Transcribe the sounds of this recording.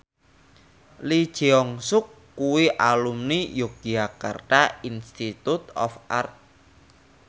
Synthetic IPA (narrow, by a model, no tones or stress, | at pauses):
li̥ʒ̥iɔŋsʊkːuwiʔalumnijoɡ̥iaka̰rt̪ainst̪it̪ut̪ɔ̰fa̰rt̪̚